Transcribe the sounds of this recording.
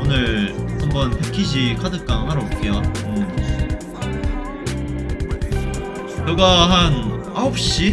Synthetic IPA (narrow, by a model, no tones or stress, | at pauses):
onɯɭhambʌnpʰekʰiɕʰikʰadɯk͈aŋhaɾok͈ʰejoɯm | t͡ɕeɡaɦan | aop̚ɕ͈i